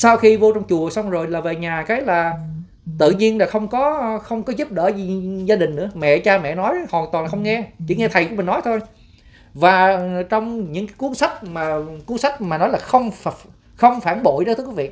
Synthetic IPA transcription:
saː˧wxi˧vo˧t͡ɕɔ˧wŋ͡mt͡ɕu˨˩əsa˧wŋ͡mzo˨˩jlaː˨˩ve˨˩ɲaː˨˩kaː˨˦jlaː˨˩ | t̪ɨ̰˧˨ɲi˧ənlaː˨˩xə˧wŋ͡mkɔ˨˦xə˧wŋ͡mkɔ˨˦zu˦˥p̚ɗə̰ː˧˩i˨˩zaː˧ɗï˨˩ŋ̟nɨ̰˧˥əmɛ̰˧˨t͡ɕaː˧mɛ̰˧˨nɔ˨˦jhɔ̰˨˩t̪wna˨˩xə˧wŋ͡mŋɛ˧t͡ɕḭ˧˩ŋɛ˧t̪ʰə˨˩jku˧˥mï˨˩ŋnɔ˨˦jt̪ʰo˧j | vaː˨˩t͡ɕɔ˧wŋ͡mɲɨ̰˧˥ŋkaː˨˦jku˨˦ənsa˦˥k̟̚maː˨˩ku˨˦ənsa˦˥jk̟̚maː˨˩nɔ˨˦jlaː˨˩xə˧wŋ͡mf | xə˧wŋ͡mfaː˧˩nɓo̰˧˨jɗo˧˦˥t̪ʰɨ˨˦wi˦vḭ˧˨

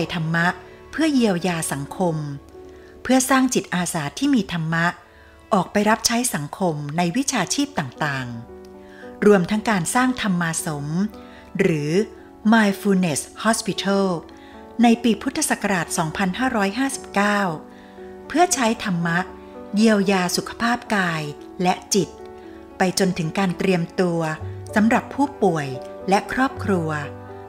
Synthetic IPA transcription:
jt̪ʰa˧mːa˦˥ʔpʰɯ˥˩ɐji˧əwjaː˧sa˩˦ŋkʰo˧m | pʰɯ˥˩ɐsaː˥˩ŋt͡ɕi˨˩t̪̚ʔaː˧saː˩˦t̪ʰːiː˥˩miː˧t̪ʰa˧mːa˦˥ʔ | ʔɔː˨˩k̚pa˧jɾa˦˥p̚t͡ɕʰa˦˥jsa˩˦ŋkʰo˧mna˧jwi˦˥t͡ɕʰaː˧t͡ɕʰiː˥˩p̚t̪aː˨˩ŋt̪aː˨˩ŋ | ɾu˧əmt̪ʰa˦˥ŋkaː˧nsaː˥˩ŋt̪ʰa˧mːaː˧so˩˦m | ɾɯː˩˦ | maː˧jfuː˧ne˨˩shɔː˦˥spi˧˥t̪ʰaː˥˩l | na˧jpiː˧pʰu˦˥t̪ʰːa˧sa˨˩ka˧ɾaː˨˩t̪̚sɔː˩˦ŋpʰa˧nhaː˥˩ɾɔː˦˥jɦaː˥˩si˨˩p̚kaː˥˩w | pʰɯ˥˩ɐt͡ɕʰa˦˥jt̪ʰa˧mːa˦˥ʔ̚ | ji˧əwjaː˧su˨˩kʰḁ˧pʰaː˥˩p̚kaː˧j | lɛ˦˥ʔt͡ɕi˨˩t̪̚ | pa˧jt͡ɕo˧nt̪ʰɯ˩˦ŋkaː˧nt̪ɾi˧əmt̪u˧ɐsa˩˦mɾa˨˩pʰːuː˥˩pu˨˩əjlɛ˦˥ʔkʰɾɔː˥˩p̚kʰɾu˧ɐ

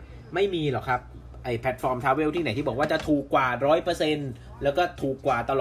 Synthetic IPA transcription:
ma˥˩jmiː˧lɔ˨˩kʰa˦˥p̚ | ʔa˧˩jpʰɛ˦˥t̪̚fɔː˧mt̪ʰaː˦˥weː˥˩wt̪ʰiː˥˩na˩˦jt̪iː˥˩bɔ˨˩˦k̚waː˥˩t͡ɕa˨˩t̪ʰuː˨˩kːwaː˨˩ɾɔː˦˥jpɤː˧se˧n | lɛː˦˥wkɔː˥˩t̪ʰuː˨˩kːwaː˨˩t̪a˧lɔː˨˩

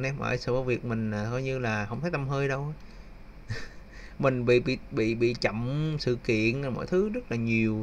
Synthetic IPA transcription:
nɛ˧mʔə̰ː˧˩jsɨ̰˧˩kːvi˨˩ək̚mï˨˩ŋ̟aː˨˩kɔ˨˧˦ɲɨ˧laː˨˩xə˧wŋ͡mt̪ʰːjt̪a˧mɦəː˧jɗə˧w | mï˨˩ŋ̟ɓḭ˧˨ɓḭ˧˨ɓḭ˧˨ɓḭ˧˨t͡ɕə̰˧˨wmsɨ̰˧˨kḭ˧˨ənː˨˩mo̰˧˥˨jt̪ʰɨ˨˦zə˦˥t̚laː˨˩ɲi˨˩əw

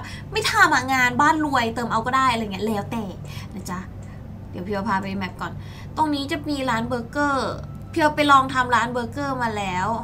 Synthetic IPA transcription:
ma˥˩jt̪ʰaː˧mhaː˨˩ŋaː˧nbaː˥˩nlu˧əjt̪ɤː˧˩mʔa˧wkɔː˥˩daː˥˩jʔa˧˨˩ŋi˦˥˩lɛː˦˥wt̪ɛː˨˩k̚na˦˥˩t͡ɕa˦˥ | di˨˩˦wpʰi˧wa˧pʰaː˧pa˧jmɛ˨˦˩p̚kɔː˨˩n | t̪o˧ŋniː˦˥t͡ɕa˨˩miː˧ɾaː˦˥nbɤː˧˥kɤː˥˩ | pʰi˧wpa˧jlɔː˧ŋt̪ʰa˧mɾaː˦˥nbɤː˧˥kɤː˥˩maː˧lɛː˦˥w

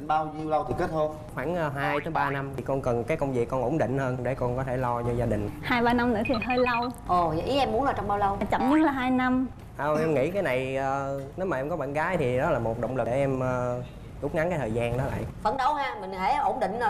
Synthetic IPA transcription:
ɓaː˧wzi˧əwlə˧wt̪ʰi˨˩ke˦˥t̚t̪ʰo˧n | xwaː˧˩nʔːɦaː˧jt̪ʰɨ˨˦ɓaː˧na˧mt̪ʰi˨˩kɔ˧nkə˨˩nkaː˨˦jkə˧wŋ͡mvi˨˩əkːɔ˧nʔo˧˩nɗḭ̈˧˨ŋ̟həː˧nɗe˧˩kɔ˧nkɔ˨˦t̪ʰe˧˩lɔ˧t͡ɕɔ˧zaː˧ɗï˨˩ŋ̟haː˧jɓaː˧na˧mnɨ̰˧˥ət̪ʰi˨˩ɦəː˧jlə˧wʔo˨˩˨ʔi˨˦ʔɛ˧mːu˦ənlaː˨˧˩t͡ɕɔ˧wŋ͡mɓaː˧wlə˧wt͡ɕə̰˧˩nɲ̚˦˥laː˨˩ɦaː˧jna˧m | ʔəː˨˩ʔɛ˧mŋḭ˧˥kaː˨˦jna˨˩jʔəː˨˩ne˨˦wmaː˨˩ʔɛ˧mkɔ˨˦ɓa̰ː˧˨nɣaː˨˦jt̪ʰi˨˩ɗɔ˨˦laː˨˩mo˨˩t̚ɗə̰˧˨ŋ͡mlɨ˨˩ɗe˧˩ʔɛ˧mʔəː˨˩ | ɗu˦˥k͡p̚ŋa˨˦ŋkaː˨˦jtʰəː˨˩zaː˧nɗɔ˨˦la̰ː˧˨jfə˧˩nɗə˨˦whaː˧mï˨˩ŋ̟ɦe˧˩ʔo˧˩nɗḭ˧˨ŋ̟ə˨˩

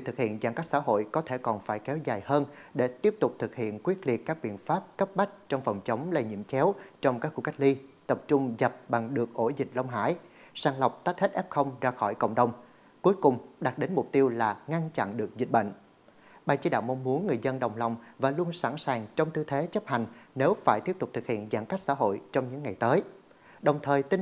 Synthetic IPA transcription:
zi˨˩t̪ɨ˨˩k̚hḭ˧˨ənza˨˩ŋka˦˥k̚sa̰ː˧˥ɦo̰˧˨jkɔ˨˦t̪ʰe˧˩kɔ˨˩nfaː˧˩jkɛ˨˦wzaː˨˩jhəː˧nɗe˧˩t̪i˦˥əp̚t̪ʊ˨˩k͡p̚t̪ʰɨ˨˩k̚hḭ˧˨ənkwi˦˥ət̚li˨˩ət̚kaː˦˥k̚ɓḭ˧˨ənfaː˦˥p̚kə˦˥p̚ɓa˦˥k̚t͡ɕɔ˧wŋ͡mfə˨˩wŋ͡mt͡ɕə˨˦wŋ͡mlə˧˩jɲḭ˧˨əmt͡ɕɛ˨˦wt͡ɕɔ˧wŋ͡mkaː˦˥k̚xu˧ka˦˥k̚li˧t̪ə˨˩p̚t͡ɕʊ˧ŋ͡mzə˨˩p̚ɓa˨˩ŋɗɨ˨˩ək̚ʔo˧˩zï˨˩k̟̚lə˧wŋ͡mɦa̰ː˧˥˩j | saː˧nlə˨˩wk͡p̚t̪a˦˥jt̚hə˦˥t̚ʔɛ˦˥p̚xə˧wŋ͡mzaː˧xɔ˧˩jkə̰˧˨wŋ͡mɗə˨˩wŋ͡m | ku˨˦əjkʊ˨˩ŋ͡mɗa˨˩t̚ɗe˨˦nmʊ˨˩k͡p̚t̪i˧əwlaː˨˩ŋa˧nt͡ɕa̰˧˨nɗɨ˨˩ək̚zi˨˩t̚ɓə̰˧˨ŋ̟ | ɓaː˨˩jt͡ɕi˨˦ɗa̰ː˧˨wm˧wŋ͡mmu˨˦ənːɨ˨˩əjzə˧nɗə˨˩wŋ͡mla˨˩wŋ͡mvaː˨˩lu˧ənsa̰˧˩nsaː˨˩ŋt͡ɕɔ˧wŋ͡mt̪ɨ˧t̪ʰe˨˦t͡ɕə˦˥p̚ha˨˩jŋ̟ne˨˦wfaː˧˩jt̪i˦˥əp̚t̪ʊ˨˩k͡p̚t̪ɨ˨˩k̚hḭ˧˨ənzaː˧˩nka˦˥k̚sa̰ː˧˥ɦo̰˧˨jt͡ɕɔ˧wŋ͡mɲɨ̰˧˥ŋːa˨˩jt̪əː˨˦j | ɗə˨˩wŋ͡mt̪ʰəː˨˩jt̪i˧n

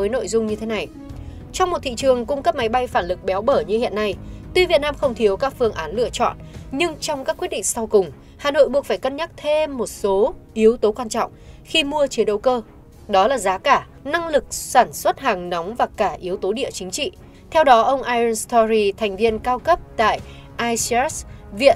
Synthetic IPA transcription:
əː˨˦jno̰˧˨jzʊ˧ŋ͡mɲɨ˧t̪ʰe˨˦na˨˩j | t͡ɕɔ˧wŋ͡mmo˨˩t̚t̪ʰḭ˧˨t͡ɕɨ˨˩əŋkʊ˧ŋ͡mkə˦˥p̚ma˨˦jɓa˧jfaː˧˩nlɨ˨˩k̚ɓɛ˨˦wɓəː˧˩ɲɨ˧hḭ˧˨ənːa˧jt̪wi˧˩vi˨˩t̚naː˧mxə˧wŋ͡mt̪ʰi˨˦əwkaː˦˥k̚fɨ˧əŋʔaː˨˦nlɨ̰˧˨ət͡ɕɔ̰˧˨nɲɨ˧ŋt͡ɕɔ˧wŋ͡mka˦˥k̚wi˦˥t̚ɗḭ˧˨ŋ̟sa˧wkʊ˨˩ŋ͡m | haː˨˩no̰˧˨jɓu˨˩ək̚faː˧˩jkə˧nɲa˦˥k̚t̪ʰe˧mːo˨˩t̚so˨˦ʔi˨˦əwt̪o˨˦kwaː˧nt͡ɕɔ̰˧˨wŋ͡m | xi˧mu˧ət͡ɕi˨˦ənɗə˨˦wkəː˧ | ɗɔ˨˦laː˨˩zaː˨˦kaː˧˩ | na˧ŋlɨ˨˩k̚saː˧˩nswə˦˥t̚haː˨˩ŋna˨˦wŋ͡mvaː˨˩kaː˧˩ʔi˨˦əwt̪o˨˦ɗḭ˧˨ət͡ɕï˨˦ŋ̟t͡ɕḭ˧˨ | t̪ʰɛ˧wɗɔ˨˦ʔə˧wŋ͡mʔaː˧jə˧nst̪ɔ˧zi˧t̪ʰɛ˨˩jŋ̟vi˧ənkaː˧wkə˦˥p̚t̪a̰ː˧˨jʔaː˧jssvḭ˧˨ən

